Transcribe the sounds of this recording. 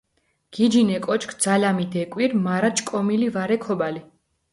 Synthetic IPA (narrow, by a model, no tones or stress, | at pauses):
ɡ̥id͡ʒinɛkʼɔt͡ʃkʰd̪z̥alamid̪ɛkʼwiɾmaɾat͡ʃʼkʼɔmilivaɾɛkʰɔbali